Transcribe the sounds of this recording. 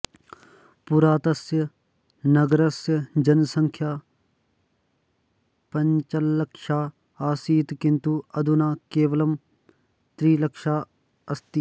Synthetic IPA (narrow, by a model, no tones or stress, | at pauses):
puɾaːt̪ɐsjə | nɐɡɾɐsjəd͡ʒɐnsɐ̃ŋkʰjaː | pɐɲt͡ʃɐlːɐkʃaː | aːsiːt̪kɪ̃nt̪uɐd̪ʱunaːkeːʋəlɐm | t̪ɾiːlɐkʃaː | ɐst̪i